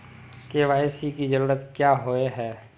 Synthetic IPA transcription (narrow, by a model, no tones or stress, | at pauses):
keːʋaːjsikid͡ʒəɾuːɾət̪kjaːɦoeɦɛː